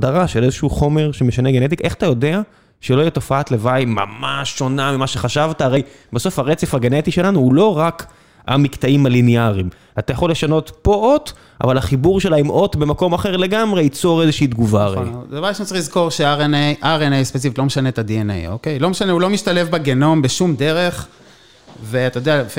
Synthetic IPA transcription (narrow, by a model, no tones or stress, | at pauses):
daʁaʃelezeʃuuχo̞me̞ʁʃeme̞ʃaneɡene̞t̪ikʔe̞χḁt̪ajo̞d̪e̞a | ʃeloijeɛt̪o̞faat̪le̞vajma̰maʃːo̞namimaʃeχaʃavt̪aːʁej | baso̞fhaʁet͡sefaɡenet̪iʃe̞lanuulo̞ʁak | a̰mikt̪aimalineaʁim | at̪ajaχo̞lːe̞ʃano̞tpo̞o̞t̪ | ʔa̰valaχibuʁʃe̞laimʔo̞t̪be̞mako̞maχeʁle̞ɡamʁe̞it͡so̞ʁe̞zeʃiːd̪ɡuvaʁḛdavaʃmtt͡silizko̞ʁʃeaʁenejʔaʁenejspet͡sifit̪lo̞meʃanet̪ad̪ienḛjokejlo̞meʃaneulomiʃt̪ale̞fbeɡeno̞mbeʃumd̪eʁeχ | veat̪ajod̪eaf